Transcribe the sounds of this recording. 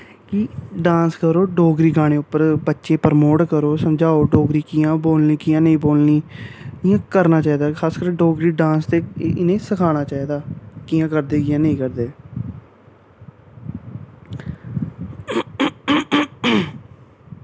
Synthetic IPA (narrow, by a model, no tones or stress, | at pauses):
kɪɖãːnskəɾoːɖoːɡɾiːɡaːɽ̃eːʊpːəɾbətːʃẽːpəɾmoːʈkəɾoːsəmd͡ʒaːoːɖoːɡɾiːkɪjãːboːlniːkɪjãːnəĩːboːlniːkɪjãːkəɾnaːt͡ʃaːiːd̪aːkʰaːskəɾɖoːɡɾiːɖãːnst̪eːʔɪnẽːsəkʰaːɽ̃aːt͡ʃaːiːd̪aːkɪːãːkəɾd̪eːkɪjãːnəĩːkəɾd̪eː